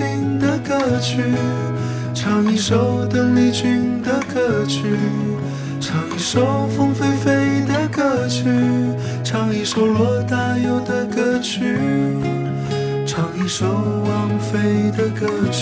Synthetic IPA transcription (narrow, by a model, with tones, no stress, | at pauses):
y˥nd̪ə˨kɤ˥˧t͡ɕʰy˥ | ʈ͡ʂʰɑ˧˥ŋi˧˥ʂo˧˥ʊt̪ə˥˧ŋli˧t͡ɕy˥nd̪ə˨kɤ˥˧˩t͡ɕʰy˥ | ʈ͡ʂʰɑ˨˧˩ŋi˧˥ʂo˧˥ʊfɤ˥ŋfe˥ɪfe˥ɪd̪ə˨kɤ˥˧t͡ɕʰy˥ | ʈ͡ʂʰɑ˧˥ŋi˧˩ʂo˧˥ʊlwɔ˧˥t̪a˥˧jo˧˥ʊd̪ə˨kɤ˧t͡ɕʰy˥ | ʈ͡ʂʰɑ˧˥ŋi˧˩ʂo˧ʊwɑ˧˥ŋfe˥ɪd̪ə˨kɤ˧˩